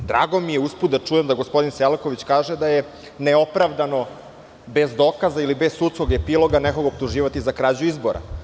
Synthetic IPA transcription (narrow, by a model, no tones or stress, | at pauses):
d̪ɾa̰ːɡo̞mijeusput̪̚d̪at͡ʂuje̞md̪aɡospo̞d̪inselko̞ʋit͡ɕkaːʒed̪aje | neo̞pɾaʋd̪ano̞ | be̞zd̪o̞kazailibe̞ssut̪sko̞ɡepilˠo̞ɡaneko̞ɡop̚t̪uʒiːʋat̪izakɾaːd͡ʑuizboɾa̰